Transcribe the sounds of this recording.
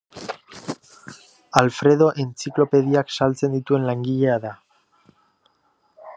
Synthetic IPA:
alfɾe̞ð̞o̞ʔent͡siklo̞pe̞ðiaksalt͡se̞nd̪it̪ue̞nlaŋɡiʎe̞aða

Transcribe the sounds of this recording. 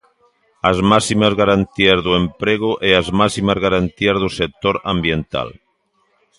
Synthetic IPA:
azmasimazɣaɾant̪iazðuempɾeɣ̞uʔeazmasimazɣaɾant̪iazðusek̚t̪oɾa̰mbjent̪a̰l

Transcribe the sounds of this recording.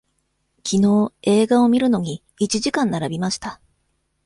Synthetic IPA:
kʲʰino̞ːe̞ːɡao̞mʲiɾɯ̟no̞ɲ̟iː | t͡ɕiʑikãnːaɾabʲimaɕi̥t̪a

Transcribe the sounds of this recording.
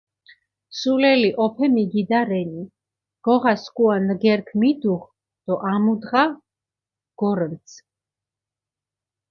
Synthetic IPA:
sulɛliʔɔpʰɛmiɡid̪aɾɛni | ɡ̥ɔʁaskʼuanɡɛɾkʰmid̪uʁ | d̪̥ɔʔamud̪ʁa | ɡ̥ɔɾvt̪sʰ

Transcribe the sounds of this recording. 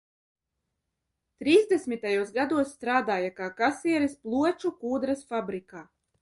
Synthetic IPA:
t̪ɾiːzd̪esmit̪ajuɔsɡad̪uɔsːt̪ɾaːd̪aːjakaːkasiɛɾisplˠuɔt͡ʃukuːd̪ɾasfabɾikaː

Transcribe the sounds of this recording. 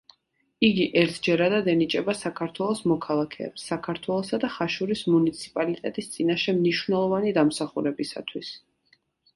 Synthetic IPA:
iɡiʔɛɾt̪ʰd͡ʒɛɾad̪ad̪ɛnit͡ʃʼɛbasakʰaɾt̪ʰwɛlˠɔsmɔkʰalˠakʰɛ̰ːpsːakʰaɾt̪ʰwɛlˠɔsad̪aχaʃuɾismunit̪sʰi̥pʼalit̪ʼɛt̪ʼist̪sʼinaʃɛmniʃwnɛlˠɔvanid̪amsaχuɾɛbisa̰t̪ʰwis

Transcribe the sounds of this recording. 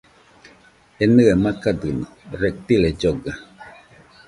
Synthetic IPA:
enɨemakad̪ɨnɔɾek̚t̪iled͡ʒoɡa

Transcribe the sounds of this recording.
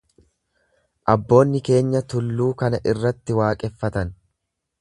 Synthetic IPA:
ʔɐbːo̞ːnːɪke̞ːɲːɐt̪ʊlːuːkɐnɐʔɪrːɐt̪ːɪwaːkʼɛfːɐt̪ɐn

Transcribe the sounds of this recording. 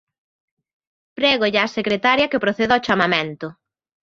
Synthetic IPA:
pɾɛɣoʎaːsekɾet̪aɾjɐkepɾoθeðaot͡ʃamamẽnt̪ʊ

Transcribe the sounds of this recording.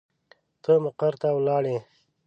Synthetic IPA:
t̪əmʊqaɾt̪awlɑːɽe

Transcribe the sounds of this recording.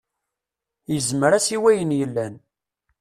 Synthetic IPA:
jəzməɾæsiwæjənjəlːæn

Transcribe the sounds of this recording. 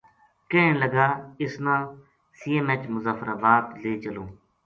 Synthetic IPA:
kẽẽːləɡaːɪsnãː | siːemet͡ʃmʊzaːfɾaːbaːt̪leːt͡ʃəlõː

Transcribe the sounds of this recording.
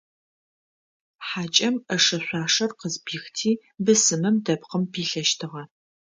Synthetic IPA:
ħaːt͡ʃʼɐmɐʂɐɕʷɑːʂɐrqəzbiːxtʰiː | bɨsɨmɨmdɐpqəmpʰiːɬɐʃtʰɨʁɐ

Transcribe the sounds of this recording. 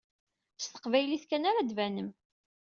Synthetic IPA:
st̪ə̥qvæjliθkænaɾad̪vænəm

